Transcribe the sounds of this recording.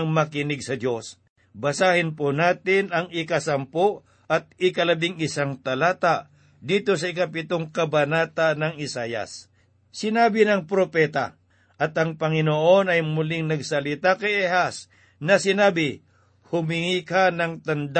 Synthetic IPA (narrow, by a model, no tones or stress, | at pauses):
ŋmɐkɪnɪɡsɐd̪jo̞s | bɐsaːhɪnponaːt̪ɪnɐŋɪkɐsɐmpoʔ | ʔɐt̪̚ɪkɐlɐbɪŋɪsaŋt̪ɐlaːt̪a | d̪iːt̪o̞sɐɪkapɪt̪oŋkɐbɐnaːt̪anɐŋɪsaːjɐ̰sː | ɪnaːbɪnɐŋpɾopɛːt̪a̰ | ʔɐt̪ɐŋpɐŋɪnoʔo̞nɐjmʊlɪŋnɐɡsɐlɪt̪akɐjɛhas | nɐsɪnaːbɪ | hʊmɪŋiːkanɐŋt̪ɐnd̪a